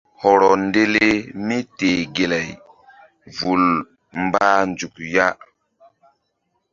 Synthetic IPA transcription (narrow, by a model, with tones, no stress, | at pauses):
hɔ˨ɾɔ˨nde˦le˦mi˦te˨ɡe˨la˨j | vu˨l | mba˦nd͡ʒu˨kja˦